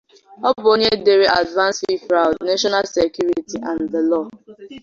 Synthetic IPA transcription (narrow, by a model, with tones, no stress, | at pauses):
ɔ˦bʊ˨o˦ɲe˦de˦ɾi˦ʔa˨dvã˦nsi˦fɾa˨ʊ˨dne˦ʃɔ˦na˦lse˨kju˦ɾi˨ti˨ʔã˨nðə˨lɔ˦˨